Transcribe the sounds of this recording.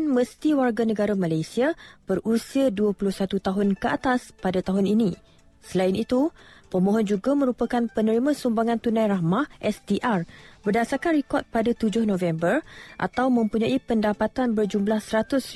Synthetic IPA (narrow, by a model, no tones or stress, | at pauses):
nməst̪iwarɡanə̃ɡaɾamalajsiab̥ərʔusiaduapulʊhsat̪ut̪aɦʊnkəat̪aspadat̪aɦʊninĩ | səlaɪnit̪upəmõɦɔnd͡ʒuɡamə̃ɾupakanpənəɾimãsumbaŋãnt̪unãjɾahmahʔɛsdiʔarbərdasarkanrikɔt̪̚padat̪ud͡ʒʊhnõvɛmbərʔa̰t̪awmə̃mpuɲãipəndapat̪anbərd͡ʒumblahsəɾat̪ʊs